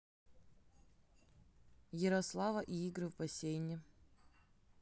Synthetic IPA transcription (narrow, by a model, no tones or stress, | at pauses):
jɪɾɐslˠavɐʔiiɡɾɨvbɐsʲejnʲɪ